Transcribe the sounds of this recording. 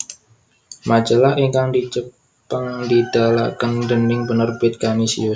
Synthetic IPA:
mad͡ʒəlahiŋkaŋdit͡ʃə | pəŋŋdid̥ala̰kandənɪŋbənərbɪt̪̚kamisḭju

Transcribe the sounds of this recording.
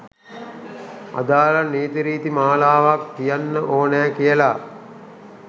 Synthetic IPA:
a̰d̪aːlaneːt̪iɾiːt̪imaːlaːʋaktːijanːəʔoːnæːkijəla

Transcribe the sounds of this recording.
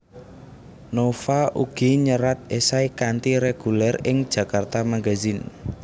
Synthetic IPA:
nofaʔuɡ̥iɲəɾat̪̚esaikant̪iɾeɡ̥ulɛrɪŋd̥d͡ʒ̥ä̤kart̪amaɡa̤zin

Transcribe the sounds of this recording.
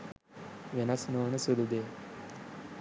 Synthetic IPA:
ʋenɐsnoːnəsud̪ud̪eː

